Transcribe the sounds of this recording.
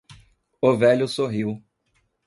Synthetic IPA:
ʊvɛʎʊsoɦiw

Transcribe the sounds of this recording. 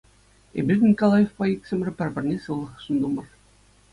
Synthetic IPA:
ḛbʲirnʲikolˠɑjefpɑiksʲɘ̆mrʲɘ̆pʲæ̆rʲbʲɘ̆rnʲesɯlˠːɤ̆χʂund̪umɤ̆r

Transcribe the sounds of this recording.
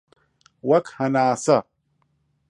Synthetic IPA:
wɐkhɐnaːsɐ

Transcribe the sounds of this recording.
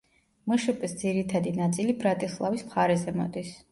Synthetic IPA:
mɔʃɛpʼɛsd̪ziɾit̪ʰad̪inat̪sʼilibɾat̪ʼislˠa̰vismχaɾɛzɛmɔ̰d̪is

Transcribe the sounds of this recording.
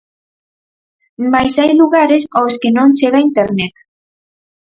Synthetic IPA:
majsajluɣaɾesowskenõnt͡ʃeɣaint̪eɾnet̪

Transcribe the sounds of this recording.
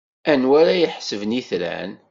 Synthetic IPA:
ænwæɾæjəħsəvniθlæ̰n

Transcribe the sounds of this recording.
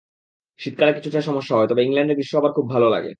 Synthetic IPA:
ʃit̪̚kaɾaki̥t͡ɕʰuʈʰaʃɔmoʃːaɦɔet̪ɔbeiŋlaɳɖeɾbiʃːoɦabaɾkʰubːʱalola̰ɡḛ

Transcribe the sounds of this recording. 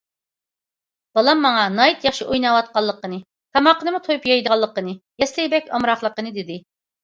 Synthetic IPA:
b̥ɑlˠɑmːɑŋɑnɑjit̪jɑχʃiʔojnɑwɑt̪̚qɑlˠːəqːənɨ | k̪ʰɑmɑqːənɨmut̪ʰojupjɑjd̪əʁɑlˠːəqːənɨjɛslɪbɛkʲʰɑmɾɑχlˠəqːənɨd̪ɪd̪ɪ

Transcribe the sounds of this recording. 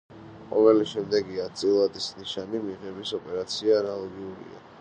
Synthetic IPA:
qʼɔvɛliʃɛmd̪ɛɡiat̪sʼilˠad̪isniʃanimiʁɛbisɔpʼɛɾat̪sʰiaːnalˠɔɡiuɾḭa̰

